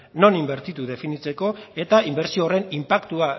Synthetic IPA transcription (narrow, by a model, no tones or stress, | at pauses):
no̞nimbe̞ɾt̪it̪uðe̞finit͡se̞ko̞e̞t̪aimbe̞ɾsioːre̞nimpakt̪ua